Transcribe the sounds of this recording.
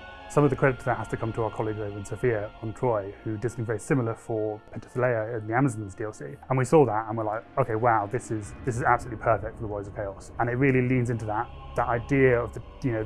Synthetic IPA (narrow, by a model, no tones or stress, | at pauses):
sʌ̃mʌvðəkʰɹ̥ɛɾɪtðəhaz̥tɨkʰʌ̃mtʰəaʊəkʰɑlˠiɡzəʊvɨ̃nsəʊfiəə̃ntʰɹ̥ɔɪhʉdɪzñvɛɹisɪ̃ml̩ˠəfə˞pʰɛ̃ntə̥səleɪəɪ̃nðiæməzñn̩zdiɛlˠsḭə̃nwisɔðətə̃nwə˞laɪkoʊkeɪwaʊðɪsɪzðɪsɨzab̥slʉtˡʔlipʰɜˑ˞fɛk̚tfə˞ðəwɔɪzəv̥kʰeɪɒsə̃ñɪt̚ɹɪəlˠilĩnzɪ̃ntʉðət̪̚ | ðəɾaɪdɪəəvðə | jɨnoʊ